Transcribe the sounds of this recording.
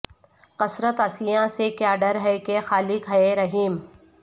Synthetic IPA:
qɐsɾət̪ɐsɪjãsekjaːɖɐɾɦɛkexaːlɪkɦɐeɾɐɦiːm

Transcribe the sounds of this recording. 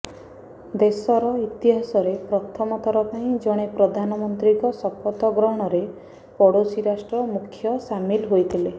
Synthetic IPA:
d̪esɔɾɔit̪iɦasɔɾepɾɔt̪ʰɔmɔt̪ʰɔɾɔpaĩd͡ʒɔɽ̃epɾɔd̪ʱanɔmɔnt̪ɾikɔsɔpʰɔt̪ɔɡɾɔɦɔɽ̃ɔɾe | pɔɽosiɾasʈɾɔmukʰːjɔsamilɦojt̪ʰile

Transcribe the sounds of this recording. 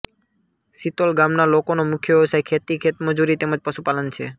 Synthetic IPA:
sit̪olɡamnalokonomukʰjəʋeəsajkʰet̪ikʰet̪məd͡ʒuɾit̪eməd͡ʒpəʃupalənt͡ʃʰe

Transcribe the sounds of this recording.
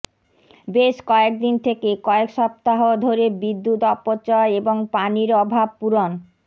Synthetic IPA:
beʃkɔek̚d̪int̪ʰekekɔekʃɔp̚t̪aɦod̪ʱoɾebid̪ːut̪ɔpːot͡ɕɔeboŋpaniɾɔbʱab̚puɾon

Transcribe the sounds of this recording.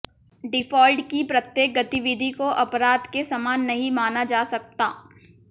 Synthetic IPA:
ɖɪfɔːlɖkipɾɐt̪jeːk̚ɡɐt̪iʋɪd̪ʱikoʔɐpɾaːd̪kesɐmaːnːɐɦĩmaːnad͡ʒaːsɐk̚t̪aː

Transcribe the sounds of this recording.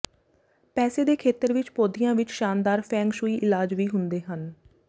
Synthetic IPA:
pɛːseːd̪eːkʰeːt̪əɾʋɪt͡ʃpoːd̪ijãːʋɪt͡ʃʃaːnd̪aːɾpʰɛ̃ːŋɡʃuːiːʔɪlaːd͡ʒʋiːɦʊnd̪eːɦən

